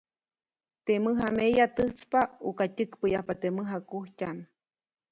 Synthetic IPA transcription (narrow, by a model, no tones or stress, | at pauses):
t̪eməɦamejat̪ɨt͡spaukatɨkpəjahpat̪emɨɦakuhcan